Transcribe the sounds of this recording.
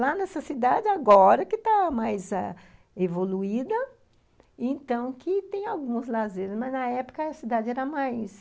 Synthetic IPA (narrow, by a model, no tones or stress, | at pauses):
lanɛsɐsid̪ad͡ʒɪaɡɔɾɐkɪt̪amajzɛ | evoluid̪ɐ | ẽnt̪ɐ̃w̃kɪt̪ẽj̃awɡũzlazeɾɪzmɐznɐɛpʊ̥kɐɐsid̪ad͡ʒɪɛɾɐmajs